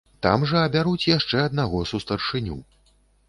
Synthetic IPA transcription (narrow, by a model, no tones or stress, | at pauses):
t̪a̰mʐɐɐbʲaɾut͡sʲjaʂt͡ʂɛɐd̪̚naɣɔsust̪ɐrʂɨnʲṵ